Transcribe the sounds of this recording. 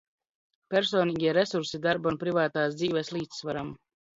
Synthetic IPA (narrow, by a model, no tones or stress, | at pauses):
pɛɾsoːniːɡʲiɛɾɛsuɾsid̪aɾbunpɾivaːt̪aːsd̪ziːvɛslˠiːt̪svaɾam